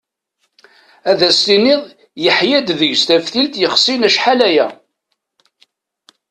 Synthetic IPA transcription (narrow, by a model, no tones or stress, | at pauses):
æðæsinɪðˤ | jəħjæd̪ðəʝst̪æfθilt̪jəχsinæʃħalæjæ